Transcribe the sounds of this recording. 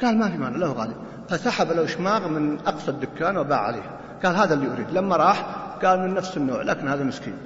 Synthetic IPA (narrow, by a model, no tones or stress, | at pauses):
ɡ̥aːlmafimaʕnalahuɣa̰ːli | fasaħablawʃmaːɣmɪnʔɑqsˤɑd̪ːʊkːaːnwaba̰ːʕʕa̰lḛːh | ɡ̥aːlɦaːðalːiʔʊɾḭːd̪lamːaɾˤɑːħɡ̥aːlmɪnːafsɪnːo̰ːʕlʔa̰ːkɪnhaːðamɪskḭːn